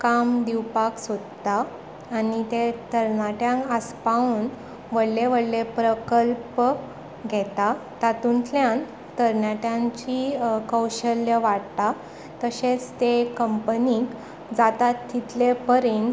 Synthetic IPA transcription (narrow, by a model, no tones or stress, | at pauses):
kamd̪iwpaksod̪t̪aː | nit̪et̪əɾnaʈjãŋkəspauːn | ʋəɽleʋəɽlepɾəkəlp | ɡʱɛt̪at̪at̪unt̪ljãn | t̪əɾɳaʈjãɲt͡ɕikəwɕəljəʋaɽt̪a | t̪əɕet͡st̪ekəmpənik | d͡zat̪at̪ʰːit̪lepəɾen